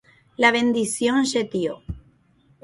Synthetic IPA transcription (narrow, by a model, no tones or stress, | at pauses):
laβend̪iθjonset̪jo